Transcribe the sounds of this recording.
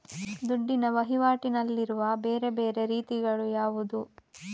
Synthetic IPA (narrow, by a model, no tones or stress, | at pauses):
d̪uɖːinɐʋɐɦiʋaːʈinɐlːiɾuʋɐbe̞ːɾe̞be̞ːɾe̞ɾiːt̪iɡɐɭujaːʋud̪u